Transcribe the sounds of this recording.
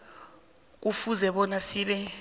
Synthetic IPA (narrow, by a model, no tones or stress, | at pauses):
k̬ufuzɛɓɔnasiɓɛ